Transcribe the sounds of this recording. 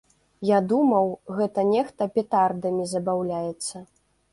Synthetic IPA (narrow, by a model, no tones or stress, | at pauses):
jad̪umɐwɣɛt̪ɐnʲɛxt̪ɐpʲɛt̪ard̪ɐmʲizɐbawlʲajɛt̪sːɐ